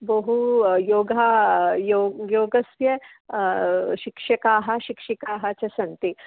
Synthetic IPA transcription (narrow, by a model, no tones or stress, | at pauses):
bɐɦujoːɡʱajoːjoːɡɐsʋjɐ | ʃikʃɐkaːɦɐ̆ʃikʃikaːɦɐt͡ʃɐsɐnt̪i